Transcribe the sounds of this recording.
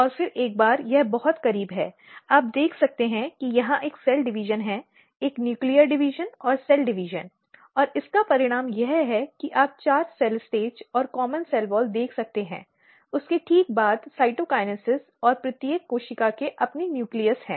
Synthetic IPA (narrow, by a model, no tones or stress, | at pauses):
ɔːɾfɪɾeːk̚baːɾjɛɦbɐɦʊt̪kɐɾiːbɦɛː | aːp̚d̪eːkʰsɐk̚t̪eɦɛ̃kijɐɦãʔeːksɛlɖɪʋiːʒənɦɛ | eːknjuːklijəɾɖɪʋiːʒənɔːɾsɛlɖɪʋiʒən | ɔːɾɪskapɐɾɪɽ̃aːmjɛɦɦɛkiʔaːp̚t͡ʃaːɾsɛlsʈeːd͡ʒɔːɾkɔːmənsɛlʋɔːld̪eːkʰsɐk̚t̪eɦɛ̰̃ː | ʊskeʈʰiːk̚baːd̪saːɪʈokaːɪnəsɪz | ɔːɾpɾɪt̪jəkːoːʃɪkakeʔɐpninjuːklijəɾsɦɛ̰̃ː